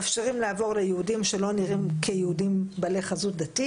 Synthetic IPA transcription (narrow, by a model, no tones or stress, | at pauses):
afʃeʁimleavo̞ʁlejehudimʃelo̞niʁimkʰejehudimbaleχazut̪̚d̪ati